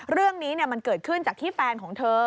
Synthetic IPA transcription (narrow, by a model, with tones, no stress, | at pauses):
ɾɯ˥˩əŋniː˦˥ni˥˩əma˧nkɤː˨˩t̪̚kʰɯ˥˩nt͡ɕaː˨˩k̚t̪iː˥˩fɛː˧nkʰɔː˩˦ŋt̪ʰɤː˧